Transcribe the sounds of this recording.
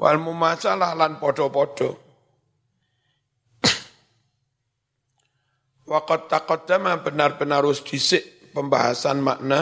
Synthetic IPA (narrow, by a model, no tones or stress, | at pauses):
wʔa̰lmumasalahlanpɔɖ̥ɔ̤pɔɖ̥ɔ̤ | wakɔt̪ːakɔd̪̥a̤mab̥ə̤narb̥ənaɾwʊsd̪̥i̤sɪʔ | pəmbaɦasanmaʔna